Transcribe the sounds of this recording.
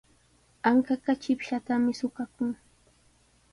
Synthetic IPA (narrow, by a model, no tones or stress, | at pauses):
aŋkakat͡ʃɪpʃat̪amɪsʊkakʊŋ